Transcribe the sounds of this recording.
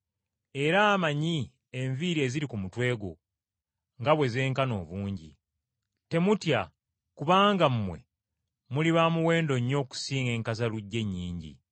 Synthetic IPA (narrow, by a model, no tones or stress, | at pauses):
e̞ɾaːmaɲi | e̞ɱviɾe̞ːziɾikumutwe̞ːɡo̰ | ŋɡaβwe̞ze̞ːŋkano̞̰ːβuːɲɟḭ | te̞mutja | kuβaːŋɡamumwe̞̰ | muliβaːmuwe̞ːndo̞ɲːo̞ːku̥siːŋe̞ːŋkazaluɟːe̞ɲːiːɲɟḭ